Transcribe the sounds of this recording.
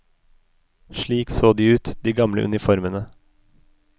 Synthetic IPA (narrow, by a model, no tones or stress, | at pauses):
ʃɭiːksoːd̪iːʉːt̪d̪iːɡɑmlə̰ʔʉ̰nɪfɔɾmənə